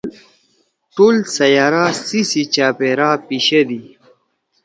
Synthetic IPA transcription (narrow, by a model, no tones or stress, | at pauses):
ʈoːlsɐjaːɾasisit͡ɕaːpeɾapiɕɐd̪i